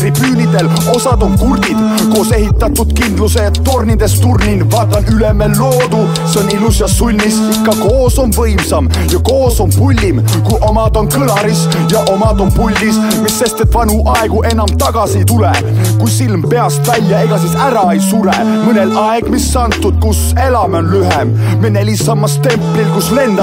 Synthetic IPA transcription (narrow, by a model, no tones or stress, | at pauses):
ripyːnid̪e̞l | o̞sɑd̪̥o̞nkurd̪̥id̪̥ | ko̞ːse̞ɦit̪ːˑɑt̪ːˑud̪̥kind̪luseːt̪ːo̞rnid̪e̞st̪urninvɑːt̪ːˑɑnyle̞melːo̞ːd̪u | seo̞nilusiɑsulʲmisikːɑko̞ːso̞nvɤjmsɑm | jɑko̞ːso̞npulʲːim | kujʔo̞mɑd̪o̞nkɤlɑɾis | jɑʔomɑd̪o̞npulʲːis | miːe̞st̪et̪ːˑvɑnuʔɑeɡ̥uʔe̞nɑmt̪ɑɡ̥ɑsit̪ule | kujsilmpe̞ɑst̪vælʲjɑe̞ɡ̥ɑs̬isæɾɑe̞jsuɾe | mɤne̞lɑe̞ɡ̥misːɑnt̪ːˑud̪̥̚kus | e̞lɑmeonlyɦem | mene̞lʲisɑmːɑst̪e̞mplilkusle̞nd̪̥ɑ